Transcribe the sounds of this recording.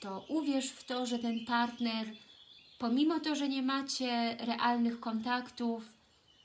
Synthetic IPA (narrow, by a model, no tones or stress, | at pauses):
t̪ɔʔuvʲjɛʂft̪ɔʐɛt̪ɛnpaɾt̪nɛɾpɔmʲimɔt̪ɔʐɛɲɛmat͡ɕɛɾɛʔalnɘxkɔnt̪akt̪uf